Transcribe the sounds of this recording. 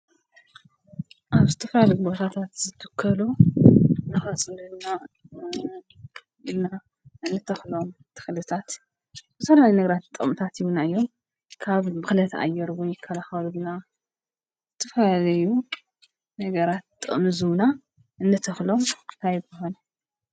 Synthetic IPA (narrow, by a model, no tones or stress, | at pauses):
ʔaβzɨt̪ʰɨfɾalɨɡbot̪ʰat̪ʰat̪zɨt̪ʰːɨkʰːɐlo | nɨfɐt͡sʼɨlɨna | ɨnːa | ʔɨnːɨt̪ʰɐxlo̞mt̪ʰɨ̥xlɨt̪ʰat̪ | zɨfɐlalijnɐɡɐɾat̪̚t̪ʼɨ̰mt̪ʰat̪ijunaɨjːo̞m | kʰaβːɨxlɐt̪ʰɐ̰ʔa̰jːɛɾwunjɪkʰːɐlaxɐlulna | zɨt̪ʰɐfalju | nɐɡɐɾat̪t̪ʼːɨ̰ʔmɨzɨna | ʔɨnːɨt̪ʰɐxlo̞mt̪ʰajɡɨɦon